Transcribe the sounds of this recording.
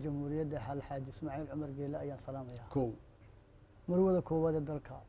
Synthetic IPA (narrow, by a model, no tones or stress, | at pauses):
t͡ʃɐmhuːɾɪjɐd̪ɐɦɐlħaːd͡ʒɪsmaːʕiːlʕʊmɐrɡɛːlɛɐjaːnsɐlaːmɐjaːkʰɔw | mɐrwɐðɐkʰɔːwaːd̪ɛːd̪ɐlkʰɐ